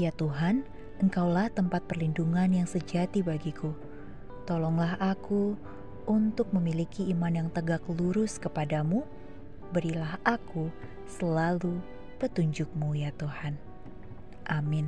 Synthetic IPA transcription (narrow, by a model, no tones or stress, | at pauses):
jat̪uɦan | ʔəŋkawlaht̪əmpat̪̚pərlinduŋanjaŋsəd͡ʒat̪ibaɡiku | t̪ɔlɔŋlaɦʔaku | unt̪ʊk̚məmilikiimanjaŋt̪əɡakluɾʊskəpadamu | bəɾilahaku | səlalu | pət̪uɲd͡ʒʊk̚mujat̪uhan | ʔamɪn